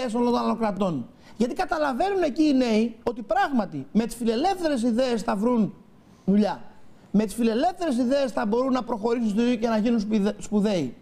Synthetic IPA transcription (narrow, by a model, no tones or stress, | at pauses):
solont̪onɐlokɾɐt̪o̞n | ʝɐt̪ikɐt̪ɐlɐve̞nune̞ciːne̞io̞t̪ipɾɐɣmɐt̪ime̞t̪i̥sfile̞le̞fθe̞ɾe̞s̬iðe̞ːsθɐvɾun | ðuʎɐ | me̞t̪isfile̞le̞fθe̞ɾe̞s̬iðe̞esθɐbo̞ɾunːɐpɾo̞xo̞ɾis̬unst̪iicenɐʝinunsspuðe̞i